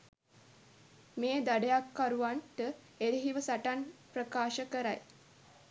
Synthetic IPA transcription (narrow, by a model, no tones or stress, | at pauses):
meːd̪aɖejakːaɾuʋanʈə | eɾiɦiʋəsaʈanpɾəkaːʃəkəɾaj